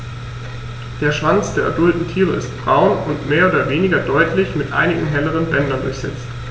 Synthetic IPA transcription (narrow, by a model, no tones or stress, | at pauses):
d̥eːɐʃv̥ant͡sd̥eːɐʔɐdʊltn̩tʰiːʁ̞əɪstb̥ʁaʊnʊntmeːɐʔoːdɐveːnɪɡɐdɔʏtʰlɪçmɪtʔa̰ɪnɪɡŋ̩ɦɛləʁ̞ənbɛndɐndʊ̰ɐçz̥ɛ̰t͡st